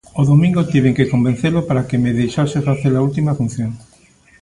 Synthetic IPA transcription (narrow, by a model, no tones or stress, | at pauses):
oðomĩŋɡot̪iβ̞eŋkekombẽn̟θelopaɾakemeðejʃasefaθeɾault̪imafun̟θjoŋ